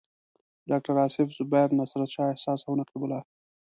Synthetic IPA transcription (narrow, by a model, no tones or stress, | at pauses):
ɖɑk̚ʈaɾɑsɪfzʊbajɾnasɾat̪t͡ʃɑehsɑːsawnaqibʊlɑ